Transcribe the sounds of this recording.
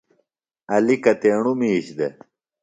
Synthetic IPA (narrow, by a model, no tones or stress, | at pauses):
ɐlikɐt̪eːɳumiːɕd̪e